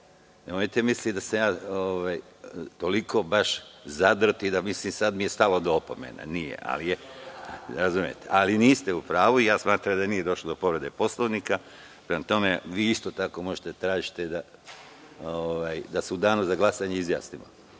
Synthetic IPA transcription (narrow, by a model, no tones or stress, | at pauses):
emoit̪emislid̪asejaːoʋaj | t̪o̞likʰo̞baʃzad̪ɾot̪id̪amislimsad̪mije̞st̪alo̞d̪oopo̞̰mḛna̰nijḛʔa̰lije | ɾazumije̞̰t̪ḛʔaliniːst̪e̞upɾaːʋuijaːsmaːt̪ɾamd̪anije̞d̪o̞ʃlˠod̪o̞po̞ʋɾe̞d̪e̞po̞slˠoʋnika | pɾemat̪o̞meʋiːist̪oːt̪ako̞mo̞ʒet̪et̪ɾaːʒit̪e̞d̪a | oʋaːjd̪aseud̪aːnuzaɡlˠasaɲeizja̰ːsnimo̰